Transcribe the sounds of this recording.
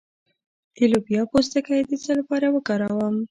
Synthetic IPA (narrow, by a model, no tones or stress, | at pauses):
d̪̥elobjɑpos̬t̪akajd̪ət͡səlapɑɾawəkɑɾɑwəm